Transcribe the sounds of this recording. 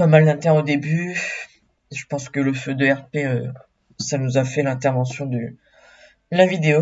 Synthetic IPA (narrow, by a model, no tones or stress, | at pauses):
pamald̪ɛ̃t̪ɛʁnod̪eby | ʒəpɑ̃skələfød̪əɛʁpeø | sanuzafɛlɛ̃t̪ɛʁvɑ̃sjɔ̃d̪ə | d̪əlavid̪eo